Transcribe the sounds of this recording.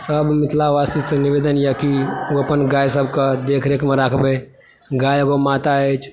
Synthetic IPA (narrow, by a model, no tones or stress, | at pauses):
səbmɪt̪ʰlaʋasiseniʋeːd̪ənjəkioəpənɡaːjsəbkəd̪ekʰɾekmeɾakʰbe | ɡaːjəɡomat̪aɛt͡ʃ